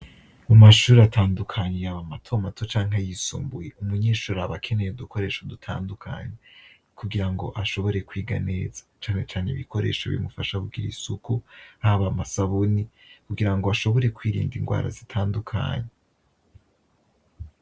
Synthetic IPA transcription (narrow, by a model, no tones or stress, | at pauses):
mumaʃuːɾatʰaːndukʰaɲejaβamatʰo̞matʰo̞t͡ʃaːŋɦajisṵːmbujeumuɲiːʃuɾaβakʰe̞ne̞joduko̞ɾe̞ːʃodutʰa̰ːndukʰa̰ːɲe | kuɡiɾaŋɡo̞̰ʔaʃo̞βo̞ɾe̞kwiːɡa̰ne̞ːz̥ḁt͡ʃaːne̞t͡ʃaːneiβikʰo̞ɾe̞̰ːʃaβḭmufaʃaβuɡiɾḭsukuhaβamasaβuni | kuɡiɾaŋɡo̞aʃo̞βo̞ɾe̞kwiːɾḭːndiŋɡwa̰ːɾa̰zitʰaːndukʰa̰ːɲe